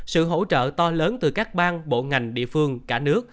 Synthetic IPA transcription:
sɨ̰˧˨ɦo̰˧˥t͡ɕə̰ː˧˨t̪ɔ˧ləː˨˦nt̪ɨ˨˩kaː˦˥k̚ɓaː˧nɓo̰˧˨ŋa˨˩jŋ̟ɗḭ˧˨fɨ˧əŋkaː˧˩nɨ˦˥ək̚

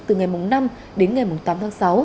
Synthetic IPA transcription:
t̪ɨ˨˩ŋa˨˩jmʊ˨˩ŋ͡mna˧m | ɗe˨˦nŋa˨˩jmu˨˩ŋ͡mt̪aː˨˦t̪ʰaː˨˦sa˨˦w

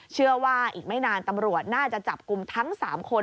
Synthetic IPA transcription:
t͡ɕʰɯ˥˩əwaː˥˩ʔiː˨˩k̚ma˥˩jnaː˧nt̪a˧mɾu˨˩ət̪̚naː˥˩t͡ɕa˨˩t͡ɕa˨˩p̚ku˧mt̪ʰa˦˥ŋsaː˩˦mkʰo˧

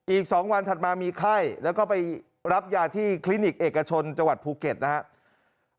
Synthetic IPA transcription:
ʔiː˨˩k̚sɔː˩˦ŋwa˧nt̪ʰa˨˩t̪̚maː˧miː˧kʰa˥˩jlɛː˦˥wkɔː˥˩pa˧j | ɾa˦˥p̚jaː˧t̪ʰiː˥˩kʰli˦˥ni˨˩k̚ʔeː˨˩kːa˧t͡ɕʰo˧nt͡ɕa˧ŋwa˨˩t̪̚pʰuː˧ke˨˩t̪̚na˦˥a˦˥ʔ

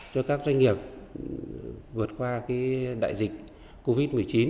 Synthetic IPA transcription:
t͡ɕɔ˧kaː˦˥k̚zwa˧ŋ̟ŋi˨˩əp̚ | vɨ˨˩ə˩t̚kwaː˧kaː˨˦ɗa̰ː˧˨jzï˨˩k̟̚ | ko˧vi˦˥t̚mɨ˨˩əjt͡ɕi˨˦n

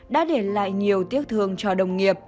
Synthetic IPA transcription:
ɗa̰ː˧˥ɗe˧˩la̰ː˧˨jɲi˨˩əwt̪i˦˥ət̚t̪ʰɨ˨˧˩əŋt͡ɕɔ˧ɗə˨˩wŋ͡mŋi˨˩əp̚

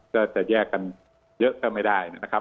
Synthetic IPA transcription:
kɔː˥˩t͡ɕa˨˩jɛː˥˩kːa˧n | jɤ˦˥ʔk̪ɛː˥˩ma˥˩jda˥˩jna˦˥na˦˥˩kʰa˦˥

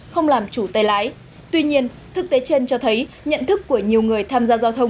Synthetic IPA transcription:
xə˧wŋ͡mlaː˨˩mt͡ɕu˧˩t̪aː˨˧˩jlaː˨˦j | t̪wi˧ɲi˧ən | t̪ʰɨ˨˦˥k̚t̪e˨˦t͡ɕe˧nt͡ɕɔ˧t̪ʰə˨˦j | ɲə̰˧˨nt̪ʰɨ˦˥kːu˧˩əɲi˨˩əwŋɨ˨˩əjt̪ʰaː˧mzaː˧zaː˧wt̪ʰə˧wŋ͡m

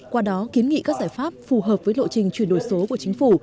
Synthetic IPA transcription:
kwaː˧ɗɔ˨˦ki˨˦ənŋḭ˧˨kaː˦˥k̚zaː˧˩jfaː˦˥p̚fu˨˩ɦəː˨˩p̚vəː˨˦jlo̰˧˨t͡ɕï˨˩ŋ̟t͡ɕwi˧˩ənɗo˧˩jso˨˦ku˧˩ət͡ɕï˨˦ŋ̟fu˧˩

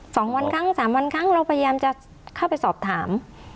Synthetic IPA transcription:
sɔː˩˦ŋwa˧nkʰa˦˥˩ŋsaː˩˦mwa˧nkʰa˦˥˩ŋɾa˧wpʰa˧ja˧jaː˧mt͡ɕa˨˩ʔ | kʰa˥˩wpa˧jsɔː˨˩p̚t̪ʰaː˩˦m

